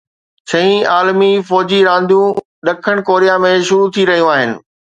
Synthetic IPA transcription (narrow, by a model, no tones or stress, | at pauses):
ɕɐɦĩaːlmifɔːd͡ʑiɾãːnd̪ʱjũ | ɗɐkʰəɽ̃koːɾijamẽʃʊɾut̪ʰiɾɐɦijũaːɦɪnɪ̆